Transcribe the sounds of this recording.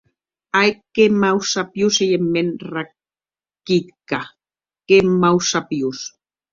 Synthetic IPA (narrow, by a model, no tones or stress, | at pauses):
ajkemawsapjusejemːenra | kit̪ka | kemawsapjus